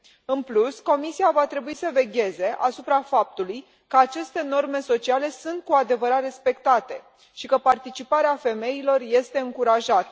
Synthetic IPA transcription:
ɨnplusko̞misiavat̪ɾe̞buisəve̞ɡʲe̞ze̞ʔasupɾafap̚t̪uluj | kəat͡ʃe̞st̪e̞no̞rme̞so̞t͡ʃiale̞sunt̪̚kuad̪e̞vəɾat̪re̞spe̞kt̪at̪e̞ | ʃikəpart̪it͡ʃipaɾeafe̞me̞ilo̞rje̞st̪e̞ɨŋkuɾaʒat̪ə

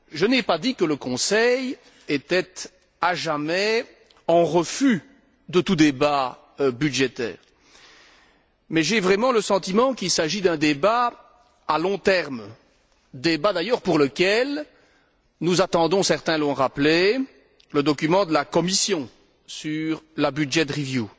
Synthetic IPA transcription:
ʒənɛpad̪ikələkɔ̃sɛj | et̪ɛt̪ | aʒamɛ | ɑ̃ʁəfy | d̪ət̪ud̪eba | byd̪ʒet̪ɛ̰ːʁ | mɛʒevʁɛmɑ̃ləsɑ̃t̪imɑ̃kilsaʒid̪ɛ̃d̪eba | alɔ̃t̪ɛʁm | d̪ebad̪ajœʁpuʁləkʲɛl | nuzat̪ɑ̃d̪ɔ̃sɛʁt̪ɛ̃lɔ̃ʁaple | ləd̪ɔkʲymɑ̃d̪əlakɔmisjɔ̃ | syʁlabyd̪ʒɛt̪ʁivju

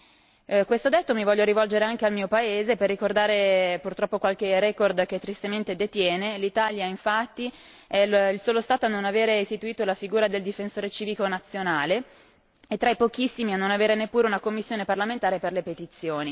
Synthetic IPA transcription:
kwest̪od̪ɛt̪ːomivɔʎːoɾivɔld͡ʒeɾeaŋk̟ealmiːopaeːzeperːikord̪aːɾepurt̪ɾɔpːokwalkerɛkord̪k̟et̪ːɾist̪ement̪ed̪et̪jɛːnelit̪aːljaiɱfat̪ːi | ɛilsoːlost̪aːt̪oanːonaveːɾeist̪it̪uiːt̪olafiɡuːɾad̪eld̪ifensoːɾet͡ʃiːvikonat̪sːjonaːle | et̪ːɾaipok̟isːimianːonaveːɾenepːuːɾeunakomːisːjoːneparlament̪aːɾeperlepet̪it̪sːjoːni

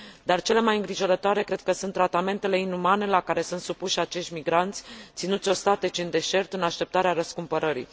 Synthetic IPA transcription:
d̪art͡ʃe̞le̞majɨŋɡɾiʒo̞ɾət̪oaɾe̞kɾe̞d̪̥̚kəsunt̪ːɾat̪ame̞nt̪e̞le̞inumane̞lakaɾe̞sunt̪supuʃat͡ʃe̞ʃt̪ʲmiɡɾant̪sʲt̪sinut̪sʲo̞st̪at̪e̞t͡ʃiɨnd̪e̞ʃe̞rt̪ɨnaʃt̪e̞p̚t̪aɾeaɾəskumpəɾəɾḭ

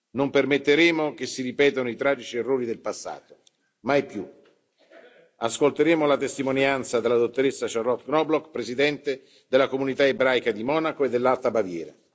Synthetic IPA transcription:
nompermet̪ːeɾeːmok̟esːiɾipɛːt̪onoit̪ɾaːd͡ʒit͡ʃierːoːɾid̪elpasːa̰ːt̪o | majpju | askolt̪eɾeːmolat̪est̪imonjant̪sad̪elːad̪ot̪ːoɾesːaʃarlɔt̪ːɡnɔblɔkpɾezid̪ɛnt̪e | d̪elːakomunit̪aebɾaːjkad̪imɔːnakoed̪ːelːalt̪abavjɛːɾa̰

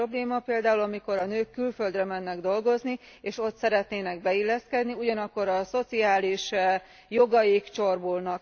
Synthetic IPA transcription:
obleːmɒpeːld̪aːulɒmiko̞ɾɒnøːkːylfø̞ld̪rɛmɛnːɛɡd̪o̞lɡo̞zni | eːʃo̞t̪sɛɾɛt̪neːnɛɡ̚bɛilːɛskɛd̪niuɟɒnɒkːo̞ɾɒso̞t̪siaːliʃ | jo̞ɡɒjikt͡ʃo̞rbolnɒk

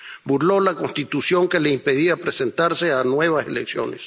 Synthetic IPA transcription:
buɾlo̞lako̞nst̪it̪usjo̞ŋkeleimpe̞ðiapɾese̞nt̪aɾse̞anwe̞βasḛleksjo̞̰nḛs

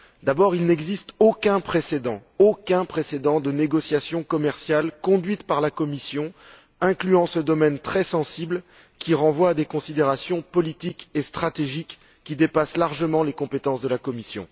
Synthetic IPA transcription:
d̪abɔʁilnɛɡzist̪okʲɛ̃pχesed̪ɑ̃okʲɛ̃pχesed̪ɑ̃d̪əneɡɔsjasjɔ̃kɔmɛʁsjalkɔ̃d̪ɥit̪paʁlakɔmisjɔ̃ | ɛ̃klyɑ̃səd̪ɔmɛnt̪χɛsɑ̃sibl | kʲiʁɑ̃vwaːd̪ekɔ̃sid̪eʁasjɔ̃pɔlit̪ikest̪χat̪eʒikː | id̪epaslaʁʒəmɑ̃lekɔ̃pet̪ɑ̃sd̪əlakɔmisjɔ̰̃

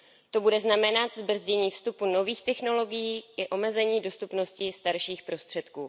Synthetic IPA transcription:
t̪o̞budɛznamɛnat̪zbr̩zɟɛɲiːfst̪upuno̞viːxt̪ɛxno̞lo̞ɡɪjiːʔɪʔo̞mɛzɛɲiːdo̞st̪upno̞scɪst̪aɾʃiːxpɾo̞st̪r̝̥ɛt̪kuː

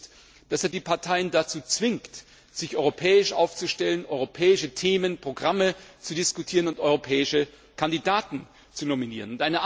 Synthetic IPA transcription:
t | d̥aseːɐdiːpʰaɐtʰaɪəndat͡suːt͡sv̥ɪŋkt | z̥ɪçʔɔʏʁopʰɛːɪʃʔa̰ʊft͡suʃtɛlənʔɔʏʁopʰɛːɪʃətʰeːmənpʁ̥oɡʁamət͡sudɪskutʰiːʁ̞ənʊntʔɔʏʁopʰɛːɪʃə | kʰandidaːtn̩ | t͡sunominḭːʁənʊntʔaɪnəʔ

